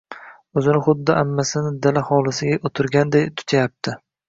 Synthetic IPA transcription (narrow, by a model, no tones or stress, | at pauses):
ɵzɪnɪχʊd̪ːɪʔamːasɪnɪd̪alahɒlˠɪsɪɡʲaʔot̪ʰʊɾɡʲand̪ejt̪ʰʊ̥t̪ʰajap̚t̪ʰɪ